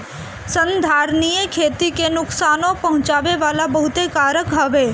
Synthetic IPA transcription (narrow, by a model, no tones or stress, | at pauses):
sə̃nd̪ʱaːɾnijəkʰeːt̪ikenʊksaːnõpɐɦʊ̃t͡ʃaːʋeʋaːlabɐɦʊt̪ekaːɾjəkɦɐʋeː